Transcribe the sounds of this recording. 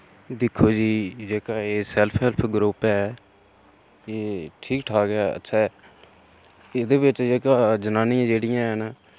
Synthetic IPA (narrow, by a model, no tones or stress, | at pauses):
d̪ɪkʰːoːd͡ʒiːd͡ʒeːkaːeːsɛlpʰɛlpʰɡɾuːpɛː | eːʈʰiːkʈʰaːkɛːə̰tːʃʰɛː | ɪd̪eːbɪt͡ʃd͡ʒeːkaːd͡ʒənaːnɪjãːd͡ʒeːɽɪjãːɦɛːnaː